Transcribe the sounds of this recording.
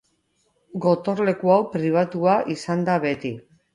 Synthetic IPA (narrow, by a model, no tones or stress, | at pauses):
ɡo̞t̪o̞ɾle̞kuawpɾiβ̞at̪uaʔisand̪aβe̞t̪i